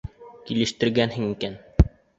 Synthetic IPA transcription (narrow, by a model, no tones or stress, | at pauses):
kilɘ̆ʃt̪ɘ̆ɾɡænhɘŋikæn